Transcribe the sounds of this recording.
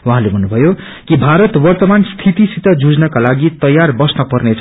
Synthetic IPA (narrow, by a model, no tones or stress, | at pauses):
waɦãlebʱʌnːubʱʌjo | kibʱaɾʌt̪wʌrt̪ʌmanst̪ʰit̪isit̪ʌd͡zud͡znʌkalaɡit̪ʌjarbʌsnʌpʌrnet͡sʰ